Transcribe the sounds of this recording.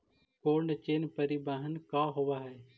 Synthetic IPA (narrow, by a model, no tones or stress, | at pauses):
koːɾɳt͡ʃeːnpəɾibaːɦənkaːɦoʋaːɦɛː